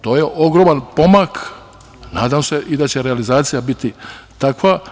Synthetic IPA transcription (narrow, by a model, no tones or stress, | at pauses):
t̪o̞ːjeʔo̞ɡɾo̞manpo̞mak | na̰ːd̪amse̞ʔid̪at͡ɕe̞ɾealizaːt̪sijabit̪it̪akʋa